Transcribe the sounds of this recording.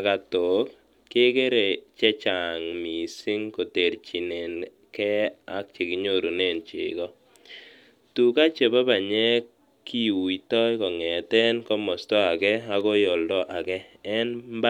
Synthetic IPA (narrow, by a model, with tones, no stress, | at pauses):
ka˨to˨k | ke˦ke˦ɾe˨t͡ʃɛ˦t͡ʃa˨ŋmi˨si˦ŋko˨te˨ɾt͡ʃi˨ne˨n | kɛ˦a˦k̚t͡ʃe˨ki˦ɲo˦˨ɾu˨ne˦˨nt͡ʃɪ̰˨kɔ˦ | tu˨ka˦t͡ʃe˨ba˦ba˨ɲɛ˦ | ki˦wi˨tɔ˦jkɔ˨ŋɛ˨tɛ˦nkɔ˦mɔ˨stɔ˦a˨kɛ˦a˨kɔ˦jɔ˨ldɔ˦ʔa˨kɛː˦nmba˦